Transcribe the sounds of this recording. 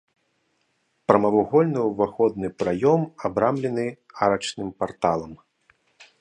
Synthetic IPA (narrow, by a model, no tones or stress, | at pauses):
pɾɐmɐvuɣɔlʲnɨwvaxɔd̪nɨpɾajɔmabɾamlʲɛnɨ | aɾɐt͡ʂnɨmpart̪alˠɐm